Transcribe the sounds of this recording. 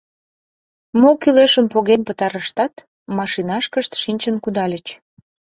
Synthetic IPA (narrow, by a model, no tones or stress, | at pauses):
mokyleʃəmpoɣenpət̪ɑɾəʃt̪ɑt̪ | mɑʃinɑʃkəʃt̪ʃinʲt͡ɕənkud̪ɑlʲət͡ɕ